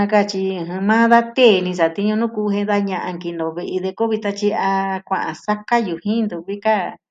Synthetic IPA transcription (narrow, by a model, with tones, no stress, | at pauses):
ã˧ka˦˨t͡ʃi˧˨ɦĩ˧mã˦ða˦t̪eː˦˨˧nĩ˧s̬a˨t̪i˦ɲõ˧nũ˦ku˧˦˧ɦẽ˦˧nða˧ɲã˧ʔã˧ŋki˧nd̪õ˨βe˧ʔe˧ðe˧ko˦βi˧t̪a˧t͡ʃi˧a˧kʷã̰˧˨ʔã˨sa˦ka˦ju˨hĩ˦nd̪u˨βi˦ka˦